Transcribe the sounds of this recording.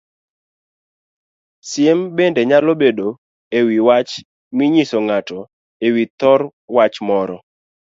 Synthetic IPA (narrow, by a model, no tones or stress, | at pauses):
sjembendeɲalobedo | ewiwat͡ʃ | miɲisoŋatɔ | ewit̪ɔr | wat͡ʃmɔɾɔ